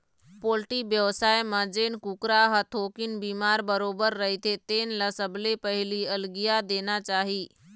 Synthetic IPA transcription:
poːlʈibjəʋsaːjmə̃d͡ʒeːnkukɾaɦət̪ʰoːkɪnbiːmaːɾbəɾoːbəɾːɐɦit̪ʰet̪eːnlɐsəblepɐɦɪliɐlɡijad̪eːnat͡ʃaːɦiː

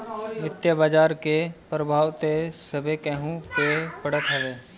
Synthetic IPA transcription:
ʋɪt̪jəbaːd͡ʒaːɾkepɾəbʱaːwt̪esəbʱekɛɦũpepɐɽət̪ɦəʋeː

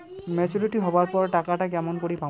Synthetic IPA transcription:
mɛd͡ʒɔɾiʈiɦɔbaɹpɔɹʈakaʈakamɔnkoɽipa

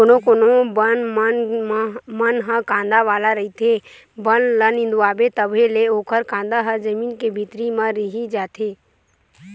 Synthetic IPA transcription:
onõkonobənmən | mənɦə̃kãːnd̪aʋaːlaɾɐɦit̪ʰe | bənlənɪ̃nd̪uaːbet̪əbʱeleoːkʰəɾkãːnd̪aɦəd͡ʒəmiːnkebʱit̪ɾimãɾiɦid͡ʒaːt̪ʰeː

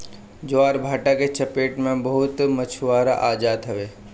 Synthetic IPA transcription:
d͡ʒoaːɾbʱaːʈaket͡ʃɐpeːʈmẽbɐɦʊt̪mət͡ʃʰuʋaːɾa̰ʔaːd͡ʒaːd̪ɦɐʋeː

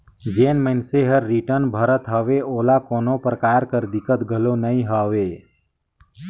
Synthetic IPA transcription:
d͡ʒeːnmənseɦəɾːiʈəɾnbʱəɾət̪ɦəʋeoːlakoːnopɾəkaːɾkəɾd̪ɪkət̪ɡʱəlonəĩɦəːʋeː

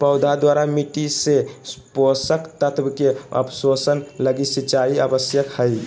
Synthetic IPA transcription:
pəʊd̪ʱad̪waɾamiʈiseposəkt̪ət̪bkeə̰pʰsosənləɡisit͡ʃaiabəsjəkhəj

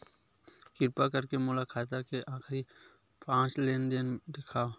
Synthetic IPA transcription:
kɪɾpakəɾkemʊlakʰaːt̪əɾkeʔãːxʰɾi | pãːt͡ʃleːnd̪eːnd̪ɪkʰaː

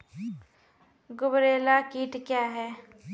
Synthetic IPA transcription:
ɡʊbɾeːlakiːʈkjaːɦɛː

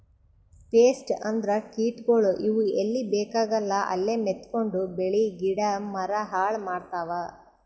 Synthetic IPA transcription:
ʈeːsʈɐnd̪ɾɐkiːʈɡoɭuʔiʋuelːibeːkaːɡɐlːɐʔɐ̰lːemet̪ko̞ɳɖubeɭiɡiɽɐmɐɾɐɦaːɭmaːɖt̪aːʋa

